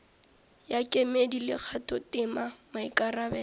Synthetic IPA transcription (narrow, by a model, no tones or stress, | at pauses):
jakʼemedilɪk͡xʰatʼɔtɪmamaikʼarabɛː